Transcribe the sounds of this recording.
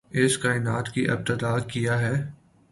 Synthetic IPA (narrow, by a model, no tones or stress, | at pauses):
ɪskaːɪnaːt̪kiʔɐ̰b̚t̪əd̪aːkijaɦɛː